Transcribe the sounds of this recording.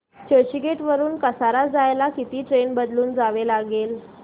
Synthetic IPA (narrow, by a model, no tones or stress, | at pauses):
t͡ɕəɕiɡeʈʋəɾuːnkəsaɾad͡zajlakit̪iːʈɾenbəd̪luːnd͡zaʋelaɡel